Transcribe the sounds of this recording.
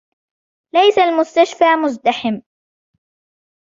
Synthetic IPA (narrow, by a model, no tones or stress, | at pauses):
lajsalmʊst̪aʃfaːmʊzd̪aħɪm